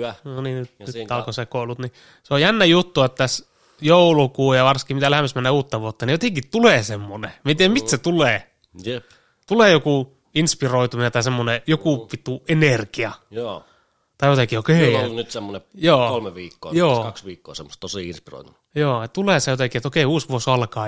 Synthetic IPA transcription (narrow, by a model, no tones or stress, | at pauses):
noninyt̪nyt̪ːɑlkosekoulut̪ni | seojænːæjut̪ːuet̪t̪æs | joulukuːjɑʋɑrskːimit̪ælhemːæsmænːeːuːt̪ːɑʋuot̪ːɑnijot̪eŋkit̪t̪uleːsemːonemient̪iːæmit̪set̪uleː | je | t̪uleːjoku | inspiroit̪uminent̪ɑisemːonejokuˑpit̪uenerkiɑjo | t̪ɑijot̪ekiokeinyt̪semːonejoːolmeʋiːkːo̰ːjoːkɑksʋiːkːo̰ːsemːost̪t̪osiinspiro̰it̪um | joːett̪uleˑːsejot̪ekiet̪okeˑiuːsʋuosɑlkɑː